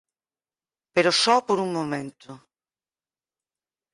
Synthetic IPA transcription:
peɾosɔpoɾumːomɛnt̪ʰʊ

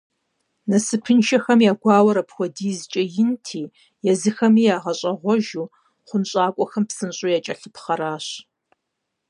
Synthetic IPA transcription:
nɐsɨpʰɨnʃɐxɐmjaːɡʷɑːwɐɾɐpxʷɔdiːzt͡ʃʼɐjɪntʰiː | jɛzɨxɐmiːjaːʁɐɕʼɐʁʷɔʒuː | χʷʊnɕʼaːkʷʼɔxɐmpsɨnɕʼʊjat͡ʃʼɐɬɨpʰχɐɾaːɕ

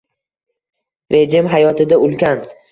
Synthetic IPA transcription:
ɾe̞d͡ʒɪmɦajɒt̪ʰɪd̪aʊlˠkʲan

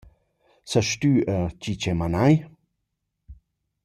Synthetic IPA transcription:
səʃt̪yət͡ɕit͡ɕɛmanaj

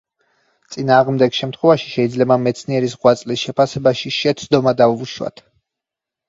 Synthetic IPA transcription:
t̪sʼinaːʁmd̪ɛɡʃɛmt̪ʰχwɛvaʃi̥ʃɛid̪zlɛbamɛt̪sʰniɛɾisʁwat̪sʼlisʃɛpʰasɛbaʃiʃɛt̪sʰd̪ɔmad̪auuʃwa̰t̪ʰ

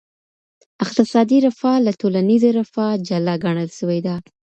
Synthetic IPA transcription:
ɪq̚t̪ɪsɑd̪iɾɪfɑlatolanizaɾafɑd͡ʒalaɡaɳ̃əlʃəwed̪a

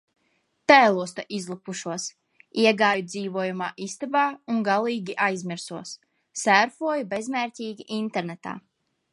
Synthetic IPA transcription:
t̪æːlˠuɔst̪aʔizlˠupuʃuɔs | iɛɡaːjud̪ziːvuɔjuma̰ːʔist̪abaːuŋɡalˠiːɡʲiʔajzmiɾsuɔsː | æɾfuɔjubɛzmɛːɾtʲiːɡʲiʔint̪ɛɾnɛt̪a̰ː

